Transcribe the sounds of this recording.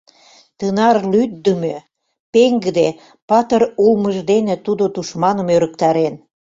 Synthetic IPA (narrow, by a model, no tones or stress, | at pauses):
t̪ənɑrlyd̪ːə̆mø | peŋɡəd̪e | pɑt̪ɤrulməʒd̪enĕt̪ud̪ot̪uʃmɑnə̆møɾə̆kt̪ɑɾen